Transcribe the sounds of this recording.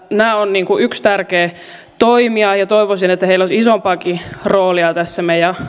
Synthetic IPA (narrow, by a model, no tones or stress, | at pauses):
næːonniːŋkuʔykst̪ærkeː | t̪oimiɑjɑt̪oiʋosinet̪ːæheilːosʲisompɑːkiroːliɑt̪æsːæmejɑ